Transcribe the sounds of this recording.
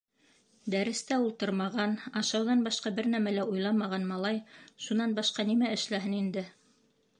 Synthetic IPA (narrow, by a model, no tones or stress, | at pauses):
d̪æɾɘ̆st̪æulˠt̪ɤɾmɑʁɑnɑʃɑwðɑnbɑʃqɑbɘɾnæmælæʔujlˠɑmɑʁɑnmɑlˠɑjʃunɑnbɑʃqɑnimæɘ̆ʃlæɦɘnind̪ɘ